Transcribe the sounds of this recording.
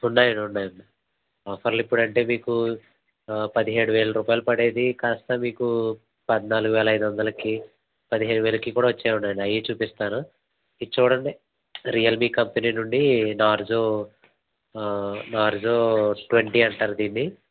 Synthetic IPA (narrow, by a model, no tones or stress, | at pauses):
unːaːjɐnunːaːjɐmː | fʰɐɾlipːuɽɐɳʈe̞ːmiːku | pɐd̪iɦeːɽuʋeːɭɐɾuːpaːjilupɐɽe̞ːd̪ikaːst̪ɐmiːku | pɐd̪naːluɡuʋɛːlɐjd̪uʋɐnd̪ɐlɐkiː | pɐd̪iɦeːɽuʋeːlɐkiːkuːɽaːʋɐt͡ʃːeːunːaːjɐnɐjit͡ʃuːpist̪aːnu | it͡ʃuːɽɐni | ɾijɐlmiːkɐmpeniːnuɳɖinaːɾd͡ʒoː | naːɾd͡ʒoːʈʋeɳʈiːɐɳʈaːɾud̪iːnːi